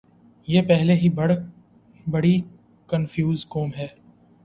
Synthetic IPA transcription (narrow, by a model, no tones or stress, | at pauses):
jeːpɛɦleɦibɐɽ | bɐɽi | kənfjuːzkoːmɦɛː